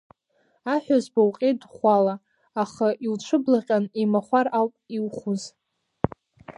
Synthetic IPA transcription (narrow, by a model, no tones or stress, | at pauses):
aħᶣazbawqʲʼedχʷalaː | χaʔilʈ͡ʂʷʰɨblaqʲʼanimaχʷaralpʼiwχuz